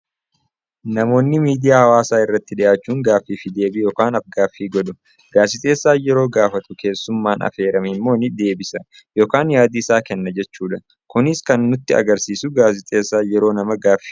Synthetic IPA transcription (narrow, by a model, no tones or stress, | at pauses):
nɐmo̞ːnːɪmiːd̪ɪjaːhɐwaːsaːɪrːɐt̪ːɪᶑɪjaːt͡ʃːuːŋɡaːfːiːfɪd̪e̞ːbɪjoːkaːnɐfɡaːfːiːɡɔᶑʊ | ɡaːsɪt̪ʼe̞ːsːaːjɛɾo̞ːɡaːfɐt̪ʊke̞ːsːʊmːaːnʔɐ̰fe̞ːɾɐmɪmːo̞ːnɪd̪e̞ːbɪsɐ | jo̞ːkaːnjaːd̪iːsaːkɛnːɐd͡ʒɛt͡ʃːuːᶑɐ | kʊnɪskɐnːʊt̪ːɪɐ̰ɡɐɾsiːsʊɡaːs̬ɪt̪ʼe̞ːsːaːjɛɾo̞ːnɐmɐɡaːfːi̥ː